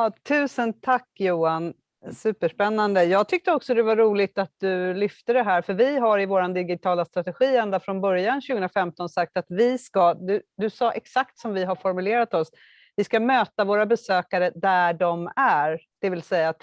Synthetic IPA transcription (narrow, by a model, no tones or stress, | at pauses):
ɑt̪ʰʉ̟ːsənt̪ʰakːjuːan | sʉ̟ːpəʂpɛnːand̪əjɑːɡ̚t̪ʰʏk̚t̪əɔksɔd̪ɛvaɾuːlɪt̪at̪̚d̪ɵlʏft̪əd̪ɛɦæːɾfœɾvɪɦaɾɪvoːɾand̪ɪɡɪt̪ʰɑːlast̪ɾat̪ɛɧiːɛnd̪afɾɔnbœɾjanɕʉɡəɵənɾafɛmt̪ɔnsak̚t̪at̪vɪskad̪ɵd̪ɵsɑːʔɛksakt̪sɔmvɪɦaɾfɔɾmɵleːɾat̪ɔs | vɪskamøːt̪avoːɾabɛsøːkaɾəd̪æɖɔmæɾd̪̥ɛvɪlsɛjːat̪